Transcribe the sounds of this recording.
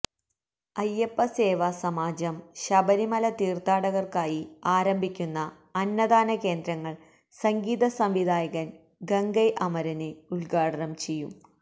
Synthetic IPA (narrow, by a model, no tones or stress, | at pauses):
ɐjːɐpːɐseːʋɐsɐmaːd͡ʑɐmɕɐbɐɾimɐlɐt̪iːrt̪aːɽɐɣɐrkaːjiaːɾɐmbʱikʲːunːɐ | ɐnːɐd̪aːnɐke̞ːnd̪ɾɐŋːɐɭ | sɐŋɡiːðɐsɐmʋid̪ʱaːjɐɣɐn | ɡɐŋɡɐjʔɐmɐɾɐneuɭɡaːɽɐnɐmt͡ɕe̞jːum